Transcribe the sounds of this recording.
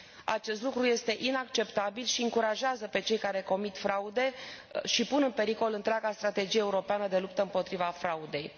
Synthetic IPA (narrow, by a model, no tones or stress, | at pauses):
a̰t͡ʃe̞st̪lukɾuje̞st̪e̞ʔinakt͡ʃe̞pt̪abilʃiɨŋkuɾaʒeazəpe̞t͡ʃe̞jkaɾe̞ko̞mit̪fɾaud̪e̞ʃipunɨnpe̞ɾiko̞lɨnt̪ɾʲeaɡast̪ɾat̪e̞d͡ʒijeeuɾo̞peanəd̪e̞lupt̪əɨmpo̞t̪ɾivafɾaud̪e̞j